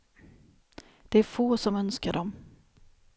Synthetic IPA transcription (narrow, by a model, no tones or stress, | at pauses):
d̪̥ɛæɾfoːsɔmœnskaɖɔm